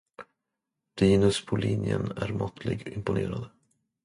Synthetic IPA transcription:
d̪̥iːnɵspʰɔlinjə̰næɾmɔt̪ʰlɪɡɪmpʊneːɾad̪ə

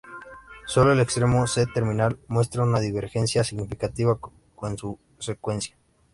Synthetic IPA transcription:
so̞lo̞e̞le̞kst̪ɾe̞mo̞set̪e̞ɾmĩnalmwe̞st̪ɾaunaðiβe̞ɾxe̞nsjasiɣnifikat̪iβa | konsu | se̞kwe̞nsjḁ

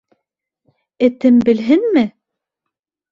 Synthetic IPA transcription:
ɘ̆t̪ɘmbɘ̆lɦɘnmɘ

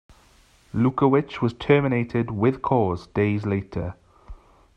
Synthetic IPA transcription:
luˑkəwɪt͡ʃwɒz̥tʰɜːmɪneɪtʰɪdwɪð̥kʰɔːzd̥eɪzleɪtʰə̰

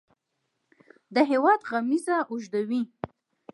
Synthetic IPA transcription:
d̪əɦewɑd̪ɣamizaʔʊʒd̪awi

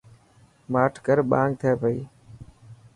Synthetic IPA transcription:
maːʈʰkəɾɓãːŋɡ̚t̪ʰəːpəiː

